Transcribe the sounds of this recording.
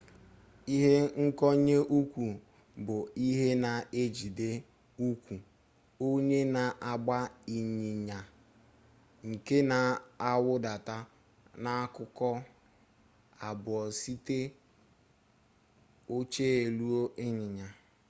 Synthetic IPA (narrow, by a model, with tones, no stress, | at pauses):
i˦ɦe˦ŋ̩˦kɔ˦ɲe˦ʔu˦kʷu˨ | bʊ˨i˦ɦe˦na˨e˦d͡ʒi˨de˦ | u˦kʷu˨ | o˦ɲe˦na˨ʔa˨ɡ͡ba˦i˨ɲɪ˨ɲa˨ | ŋ̩˨ke˦na˨a˦wʊ˦da˨ta˦ | na˦a˦kʊ˦kɔ˦ | a˨bʊ˨ɔ˨si˦te˦ | o˦t͡ʃeː˦e˨lu˦o˦ʔɪ˦ɲɪ˨ɲa˨